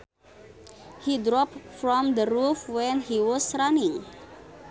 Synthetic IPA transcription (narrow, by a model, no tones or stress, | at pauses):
hidɾɔpfɹɔ̃md̪əɾufwɛ̃nhiwɔsranɪ̃ŋ